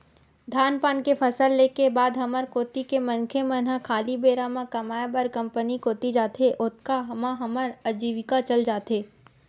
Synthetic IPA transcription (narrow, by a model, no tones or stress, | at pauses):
d̪ʱaːnpaːnkepʰɐsəlːeːkebaːd̪ɦɐməɾkoːt̪ikemɐ̃nkʰemə̃nə̃kʰaːlibeːɾamãkɐmaːebɐɾkɐ̃mpənikoːt̪id͡ʒaːt̪ʰeʔʊt̪kaɦɐmãɦɐməɾəd͡ʒiːʋɪkat͡ʃɐld͡ʒaːt̪eː